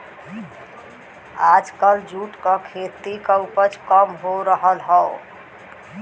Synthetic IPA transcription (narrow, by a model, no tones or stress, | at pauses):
ad͡ʒkəld͡ʒuʈkəkʰet̪ikəwpət͡ʃʰkəmɦoɾəɦəlɦəo